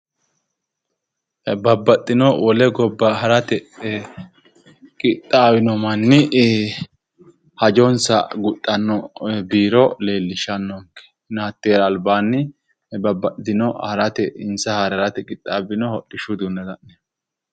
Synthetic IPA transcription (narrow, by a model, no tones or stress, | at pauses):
bɐbːɐt̪ʼːɪnɔwɔlɛɡɔbːɐɦɐɾɐt̪ɛ | kʼɪt̪ʼːaːbɪnɔmɐnːɪ | hɐd͡ʒɔnsɐ̰ɡʊt̪ʼːɐnːɔbiːɾɔle̞ːlːɪʃɐnːɔŋkːɛ̥ | naːt̪ːeːɾɐːlbaːnːɪ | bɐbːɐtɪnɔhɐɾɐt̪ɛɪnsɐhɐɾɐɾɐt̪ɛkʼɪt̪ʼːaːbɪnɔhɔɗːɪʃʊd̪unːɐd̪ɐʔnɛ